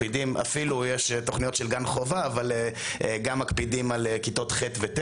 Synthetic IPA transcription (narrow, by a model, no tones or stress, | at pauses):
idimʔa̰filujeʃet̪oχnijo̞t̪ʃelɡanχo̞vaːvaleeɡamːakpidimalekit̪o̞t̪χet̪vet̪